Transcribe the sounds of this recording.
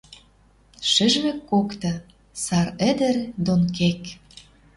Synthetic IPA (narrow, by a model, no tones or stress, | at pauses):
ʃɘ̆ʒβĕkːokt̪ɤ̆ | sɑɾə̆d̪ə̆rd̪onkek